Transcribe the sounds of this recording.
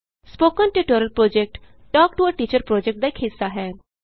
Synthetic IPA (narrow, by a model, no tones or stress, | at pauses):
spoːkənʈiʈoɾəlpɾoːd͡ʒek̚ʈ | ʈɔːk̚ʈuəʈiːt͡ʃəɾpɾoːd͡ʒek̚ʈ̚d̪aɪkʰɦɪsːaɦɛː